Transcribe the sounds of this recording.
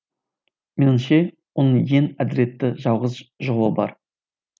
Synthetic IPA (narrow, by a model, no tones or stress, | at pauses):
menɪmʃe̞ | wonəɴje̞næd̪ɪɾe̞t̪ːɪʒɑwˠʁəzʒoʁəbɑ̰ɾ